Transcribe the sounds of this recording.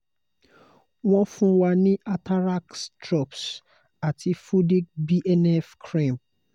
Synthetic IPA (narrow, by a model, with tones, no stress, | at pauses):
wɔ̃˦nfũ˦wa˦nĩ˦ʔa˦tʰa˦ɾa˦kstɾɔ˦˨ps | a˨tʰi˨fu˦di˦k̚bi˦ʔɛ˦nɛ˦fkʰɹĩ˦˨m